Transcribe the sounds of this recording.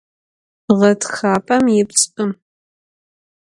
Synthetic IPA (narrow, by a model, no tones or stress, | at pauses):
ʁɐtʰxaːpʰʼɐmjɪpt͡sʼpʼɨm